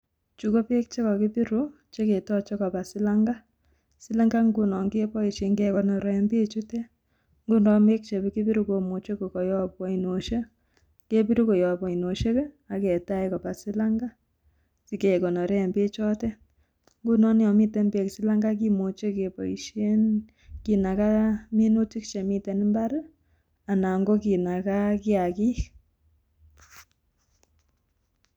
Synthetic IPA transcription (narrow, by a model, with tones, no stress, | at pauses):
t͡ʃu˨ko˦pe˦k̚t͡ʃe˦kɔ˨ki˦pi˦ɾu˦ | t͡ʃe˦ke˨tɔ˦t͡ʃe˦kɔ˨pa˨sɪ˦la˦ŋɡa˦ | si˦la˦ŋɡa˦ŋɡu˦nɔ˨ŋɡe˦pɔ˦i˨ʃe˨ŋɡe˦kɔ˨nɔ˨ɾɔ˨˦mbe˦t͡ʃu˦te˦ | ŋɡu˦ndɔ˨me˦k̚t͡ʃe˨be˦ki˦pi˦ɾu˦ko˨mo˨t͡ʃe˦ko˨kɔ˨jɔ˦pwɔ˨i˨no˨ʃe˦ | ŋke˦pi˦ɾu˦ko˨jɔ˨pɔ˨i˨no˨ʃe˦kɛ˦ | a˨ke˨ta˦jkɔ˨pa˨sɪ˦la˦ŋɡa˦ | si˦ke˨ko˨nɔ˨ɾe˦˨mbe˦t͡ʃɔ˦tɛ˦ | ŋɡu˦nɔ˦n˦ɔ˨mi˦te˨mbe˨ksi˦la˦ŋɡa˦k̬i˦mo˨t͡ʃe˦ke˨pɔ̰˨i˨ʃe˦n | ki˨na˨ka˦me˦no˦ti˦kt͡ʃe˨mi˦te˨n˦mba˦ɾ | a˨na˨ŋɡo˦ki˨na˨ka˦ki˦a˨ki˦k